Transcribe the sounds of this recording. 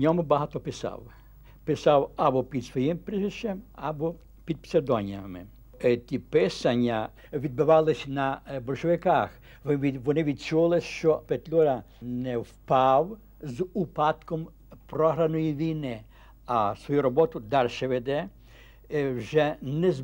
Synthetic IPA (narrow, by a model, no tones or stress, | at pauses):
nʲɔmʊbɐɦɑt̪ɔpɪsɑ̰w | pɪsɑwɐbɔpʲid̪sʋɔjimpɾɪzɪʃt͡ʃɛmɐbɔ | pʲid̪̚pseɾd̪ɔnʲijɐmɪ̰ | t̪ʲipɪsɐnʲːɐ | ʋʲid̪̚bʊʋɑlˠɪsʲnɐbɔlʲʃɔʋɪkɑx | ʋɔnɪʋʲid̪̚t͡ʃulˠɪʃt͡ʃɔpet̪ʲlʲuɾɐ | nɛwpɑw | zupɑt̪kɔm | pɾɔɦɾɐnɔjiʋʲijnɪ | ɐsʋɔjuɾɔbɔt̪ʊd̪ɑrʃɛʋɛd̪ɛ | wʒɛnɛz